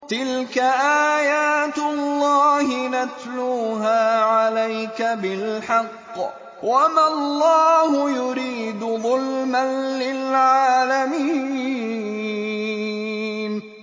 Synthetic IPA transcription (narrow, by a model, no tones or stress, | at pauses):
t̪ɪlkaʔaːjaːt̪lːɑːhɪnat̪luːɦaːʕalajkabɪlħɑqː | wamalˤːɑːhʊjʊɾiːd̪ʊðʊlmalːɪlʕʕaːlami | n